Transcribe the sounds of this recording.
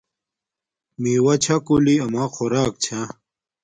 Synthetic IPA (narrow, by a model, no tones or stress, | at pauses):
miːwɐt͡ɕʰakuliɐmaːxoɾaːk̚t͡ɕʰa